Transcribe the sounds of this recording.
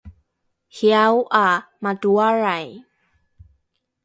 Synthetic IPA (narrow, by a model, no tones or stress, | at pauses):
hjawʔa | maduaɾaj